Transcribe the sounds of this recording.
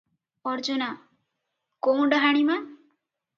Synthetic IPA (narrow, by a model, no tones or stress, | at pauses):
ɔɾd͡ʒuna | kow̃ɖɔɦaɽ̃ima